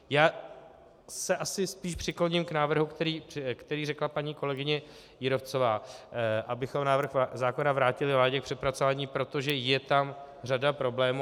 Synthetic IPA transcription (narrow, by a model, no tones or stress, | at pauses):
jaː | sɛʔasɪspiːʃpr̥ɪkloɲɪmknaːvr̩ɦukt̪ɛɾiːkt̪ɛɾiːrɛklapaɲiːko̞lɛɡɪɲɛ | jɪɾo̞ft͡so̞vaːʔabɪxo̞mnaːvr̩xzaːko̞navɾaːcɪlɪvlaːɟɛk̚pr̥ɛpɾat͡so̞vaːɲiːpɾo̞t̪o̞ʒɛjɛt̪am | r̝adapɾo̞blɛːmu